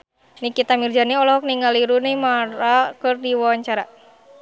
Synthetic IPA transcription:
nikit̪amird͡ʒaniɔlɔɦɔk̚niŋaliɾunɪmaɾakərdiwɔwaɲt͡ʃaɾa

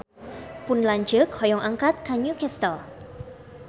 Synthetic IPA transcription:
pʊnlaɲd͡ʒəkhɔjɔŋʔaŋkat̪̚kaɲukɛst̪əl

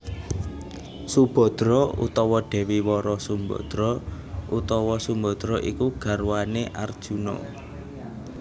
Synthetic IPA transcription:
sub̥ɔ̤d̪̥ɾɔṵt̪ɔwɔɖ̥ɛ̤wiwɔɾɔsumbɔ̰d̪̥ɾɔ | ʔut̪ɔwɔsumbɔ̤d̪̥ɾɔʔikuɡ̥ä̤ɾwaneʔard̥ʒ̥unɔ̰

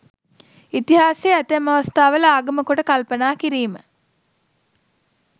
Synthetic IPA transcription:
it̪iɦaːseːæt̪əmaʋast̪aːʋələaːɡəməkoʈəkalpənaːkiɾiːmə

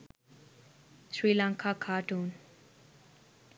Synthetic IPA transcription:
ʃɾiːlãːŋkʰaːkʰaːʈʰun

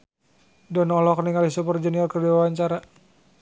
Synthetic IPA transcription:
dɔnɔlɔkniŋalisupərd͡ʒɛnialkərdiwawaɲt͡ʃaɾa

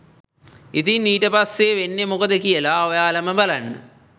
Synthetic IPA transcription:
it̪inːiːʈəpasːeʋenːemukəd̪əkijəlaojaːlɐməbalanːə̰

